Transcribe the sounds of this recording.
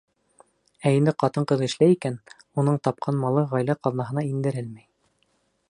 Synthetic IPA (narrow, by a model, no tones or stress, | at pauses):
æind̪ɘqɑt̪ɤɴqɤðɘ̆ʃlæjikæn | unɤɴt̪ɑp̚qʰɑnmɑlˠɤʁɑjlæqɑlˠnɑɦɤ̆nɑind̪ɘ̆ɾɘlmæj